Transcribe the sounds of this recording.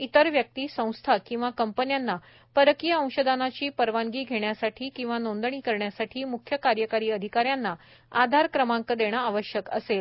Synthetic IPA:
it̪əɾʋjək̚t̪iːsə̃w̃st̪ʰakĩw̃ʋakəmpənjanːa | pəɾəkijəə̃w̃ɕəd̪ʱanat͡ɕiːpəɾʋaŋɡiːɡʱeɳjasaʈʰiːkĩw̃ʋanond̪əɳiːkəɾɳjasaʈʰiːmukʰjəkaɾjəkaɾiːəd̪ʱikaɾjanːa | ad̪ʱaɾkɾəmãŋkəd̪eɽ̃aaʋəɕjəkə̰sel

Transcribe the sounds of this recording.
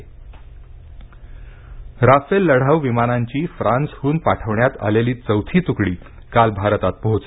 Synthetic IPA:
ɾafelːəɽ̤aʋʋimanaɲt͡ɕiːfɾãnshuːnpaʈʰəʋɳjat̪a̰leliːt͡səwt̪ʰiːt̪ukɽiː | kalbʱaɾt̪at̪̚pəɦut͡se

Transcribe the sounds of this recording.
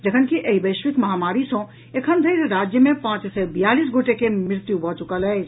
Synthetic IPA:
d͡ʒəkʰənkiʔeibəɪʃʋikməɦamaɾisə̃ | ekʰənd̪ʱəjseɾad͡ʒjəmepãt͡ʃsɛbjalisɡoʈekemɪɾt̪jubʱɔt͡ʃukələt͡ʃʰ

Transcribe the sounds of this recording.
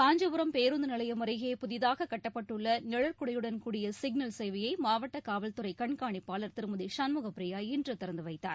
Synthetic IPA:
kaːɲd͡ʒɐʋʊɾɐmpeːɾɯnd̪ɯnɪlɐjɐmɐɾɐɪɣeːpʊðɪðaːɣɐkːɐʈːɐpːɐʈːɯɭːɐnɛɻɐɾkʊɽɐjɯɽɐnkuːɽɪjɐsɪɡ̚nɐlsɛɪʋɐjɐɪmaːʋɐʈːɐkaːʋɐlt̪ɯɾɐɪkɐɳkaːɳɪpːaːlɐɾt̪ɪɾɯmɐðiʂɐnmʊɣɐpɾɪjaːɪndrɐt̪ɪɾɐnd̪ɯʋɐɪt̪ːa̰ːɾ

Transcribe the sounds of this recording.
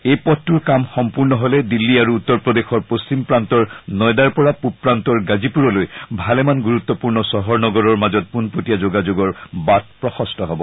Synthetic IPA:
ejpɔtːuɹkamxɔmpuɹnɔɦolɛdilːiaɹuːt̪ːɔɹpɹɔd̪exɔɹpost͡ɕimpɹantɔɹnɔjd̪aɹpɔɹapupɹant̪ɔɹɡazipuɹɔlojbʱalɛmanɡuɹut̪ːɔpuɹnɔsɔɦɔɹnɔɡɔɹɔɹmazɔt̚punpotijazoɡad͡ʒoɡɔɹbat̚pɹɔxɔstʰɔɦɔbɔ

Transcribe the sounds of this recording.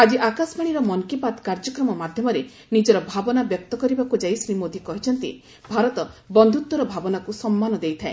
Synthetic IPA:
ad͡ʒiʔakasbaɽ̃iɾɔmɔŋkipat̪kaɾd͡ʒɔkɾɔmɔmad̪ʱjɔmɔɾe | nid͡ʒɔɾɔbʱabɔnabjɔk̚t̪ɔkɔɾibakud͡ʒajsɾimod̪ʱikɔɦit͡ʃʰɔnt̪ḭ | bʱaɾɔt̪ɔbɔnd̪ʱut̪wɔɾɔbʱabɔnakusɔmːanɔd̪ejt̪ʰaḛ̃

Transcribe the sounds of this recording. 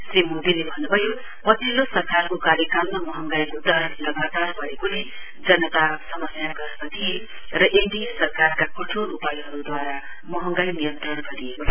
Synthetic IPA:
srimod̪ilebʱʌnːubʱʌjo | pʌsilosʌɾkarkokaɾjʌkalmamʌɦʌŋɡajud̪aɾlʌɡat̪arbʌɾekole | d͡zʌnʌt̪asʌmʌsjaɡʌɾkat̪ʰie | ɾʌʔend̪isʌrkarkakʌʈʰoʔupajiɦʌɾud̪waɾa | mʌɦʌŋɡajnijʌnt̪ɾʌnɡʌɾieko

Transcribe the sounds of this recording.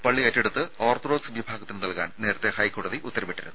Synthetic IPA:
pɐɭːiɐtːiɽut̪ːɨoːrt̪ro̞ːdsbʱibʱaːɡɐt̪ːinɨnɐlka̰ːnne̞ːɾɐt̪ːehɐjkoːɽɐðiʔut̪ːɐɾɐmiʈːiɾunːu

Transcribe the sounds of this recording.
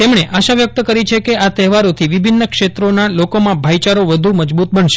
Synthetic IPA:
t̪emɳeʔaʃaʋjək̚t̪əkəɾit͡ʃʰekeat̪ɛɦʋaɾot̪ʰiʋɪbʱinːəkʃet̪ɾonalokomãbʱajt͡ʃaɾoʋəd̪ʱuməd͡ʒbut̪̚bəɳʃe

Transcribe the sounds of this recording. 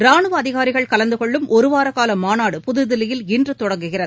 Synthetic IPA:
ɾaːɳɯʋɐɐðɪɣaːɾɪɣɐɭkɐlɐnd̪ɯkɔɭːɯmʔɔɾɯʋaːɾɐkaːlɐmːaːnaːɽɯpʊðɯðɪlɪjɪlɪndrɯt̪ːɔɽɐŋɡɯɣɪrɐðɯ

